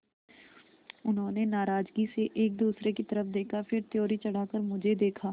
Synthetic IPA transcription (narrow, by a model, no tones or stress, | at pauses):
ʊnɦõːnenaːɾaːd͡ʒɡiseʔeːk̚d̪uːsɾekit̪ɐɾəfd̪eːkʰafɪɾt̪joːɾit͡ʃɐɽ̤aːkəɾmʊd͡ʒʱed̪eːkʰaː